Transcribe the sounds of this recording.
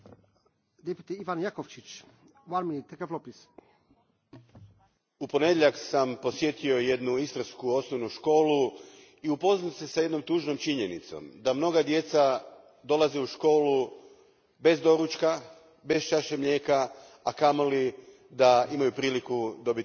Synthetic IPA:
d̪epjut̪iiʋanjakoft͡ʃit͡ʃ | wanminit̪ːekeflopis | upo̞ne̞d̪jeʎaksampo̞sje̞t̪io̞je̞d̪nuist̪ɾaskuo̞snoʋnuʃko̞ːlu | iupo̞znise̞saje̞d̪no̞mt̪uːʒno̞mt͡ʃiɲe̞nit̪so̞̰md̪amno̞ɡad̪je̞t̪sa | d̪o̞lˠazeuʃko̞ːlu | be̞zd̪o̞ɾut͡ʃka | be̞st͡ʃaʃemʎe̞ːkaː | kamoli | d̪aimajupɾiːlikud̪o̞bit̪

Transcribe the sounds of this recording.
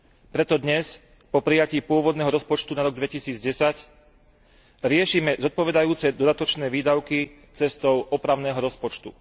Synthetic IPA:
pɾɛt̪ɔd̪ɲɛs | pɔpɾijaciːpʊɔʋɔd̪nɛːɦɔɾɔspɔt͡ʃt̪unaɾɔɡd̪ʋɛcisiːd͡zɟɛsac | ɾɪɛʃiːmɛzɔt̪̚pɔʋɛd̪ajuːt͡sɛd̪ɔd̪at̪ɔt͡ʃnɛːʋiːd̪aʊki | t͡sɛst̪ɔʊʔɔpɾaʊnɛːɦɔɾɔspɔt͡ʃt̪ṵ

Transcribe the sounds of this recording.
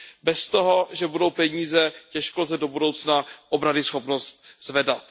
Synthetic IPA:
bɛst̪oɦo̞ʒɛbudowpɛɲiːzɛcɛʃkolzɛdo̞budo̞wt͡snaʔobɾadɪsxo̞pnost̪̚z̥vɛdat̪

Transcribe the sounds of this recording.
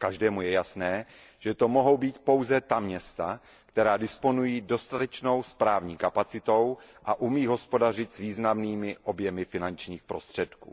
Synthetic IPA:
kaʒdɛːmujɛjasnɛː | ʒ̥ɛt̪o̞mo̞ɦo̞wbiːt̪po̞wzɛt̪amɲɛst̪a | kt̪ɛɾaːdɪspo̞nujiːdo̞st̪at̪ɛt͡ʃno̞wspɾaːvɲiːkapat͡sɪt̪o̞wʔaʔumiːɦo̞spo̞dar̝ɪt̪sviːznamniːmɪʔo̞bjɛmɪfɪnant͡ʃɲiːxpɾo̞st̪r̝̥ɛt̪kṵː

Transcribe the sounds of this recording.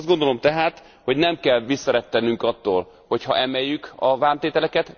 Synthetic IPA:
zd̪ɡo̞nd̪olo̞mt̪ɛɦaːt̪ | ho̞ɟnɛmkɛlʋisːɒɾɛt̪ːɛnyŋkɒt̪ːo̰ːl | ho̞chɒ̰ʔɛmɛjːykɒvaːnt̪eːt̪ɛlɛkɛt̪

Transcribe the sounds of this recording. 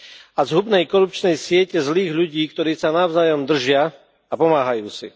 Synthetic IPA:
azɦubnɛjkɔɾup̚t͡ʃnɛjsɪɛcɛzliːɣʎuɟiːkt̪ɔɾiːsanaʊzaːjɔmd̪r̩ʒɪa | apɔmaːɦajuːt͡sḭ

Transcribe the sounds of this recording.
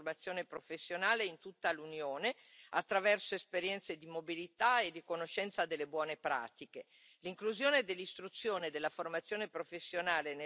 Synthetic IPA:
rmat̪sːjoːnepɾofesːjonaːleint̪ut̪ːalunjoːne | at̪ːɾavɛrsoespeɾjɛnt̪sed̪imobilit̪aed̪ːikonoʃːɛnt̪sad̪elːebwɔːnepɾa̰ːt̪ike | liŋkluzjoːned̪elːist̪ɾut̪sːjoːned̪elːaformat̪sːjoːnepɾofesːjonaːlen

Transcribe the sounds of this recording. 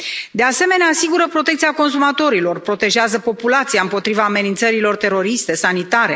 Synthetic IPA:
d̪e̞ase̞me̞neaːsiɡuɾəpɾo̞t̪e̞k̚t̪siako̞ns̬umat̪o̞ɾilo̞rpɾo̞t̪e̞ʒeazəpo̞pulat̪siaɨmpo̞t̪ɾivaːme̞nint̪səɾilo̞rt̪e̞ɾo̞ɾist̪e̞sanit̪aɾe̞

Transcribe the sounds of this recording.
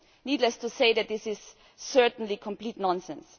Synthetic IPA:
niːdləstʰuseɪðæt̪̚ðɪsɪz̥ | sɜ˞tn̩likʰɔ̃mpl̥iːtnɔ̃nsɛ̃ns

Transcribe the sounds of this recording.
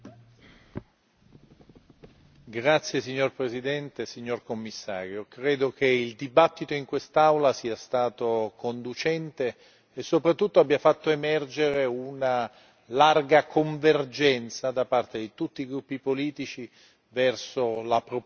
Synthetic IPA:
ɡɾat̪sːjesiɲːorpɾesid̪ɛnt̪esiɲːorkomːisːa̰ːɾjokɾeːd̪ok̟eild̪ibat̪ːit̪oiŋkwest̪awlasiːast̪aːt̪okond̪ut͡ʃɛnt̪eː | sːopɾat̪ːut̪ːoabːjafat̪ːoemɛrd͡ʒeɾeuna | larɡakʰoɱverd͡ʒɛnt̪sad̪apart̪ed̪it̪ut̪ːiɡɾupːipoliːt̪it͡ʃi | vɛrsolapɾo

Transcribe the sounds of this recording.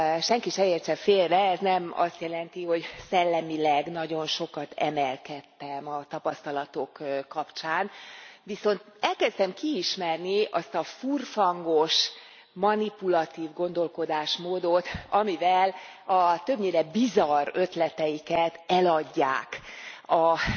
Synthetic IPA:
ʃɛŋkiʃɛleːrt͡ʃɛfeːlrɛɛznɛmɒ̰st̪jɛlɛnt̪iho̞ɟsɛlːɛmilɛɡnɒɟo̞nʃo̞kɒt̪ʰɛ̰mɛlkɛt̪ːɛmɒt̪ɒpɒst̪ɒlɒt̪o̞kːɒpt͡ʃaːnviso̞nt̪̚ɛlkɛst̪ɛmkiːʃmɛrniɒst̪ɒfurfɒŋɡo̞ʃ | mɒnipulɒt̪iːvɡo̞n̪d̪o̞lko̞d̪aːʃmoːd̪o̞t̪ɒmivɛlɒt̪ø̞bɲeːɾɛbizɒrø̞t̪lɛt̪ɛjikɛt̪ɛlɒɟːaːkɒ

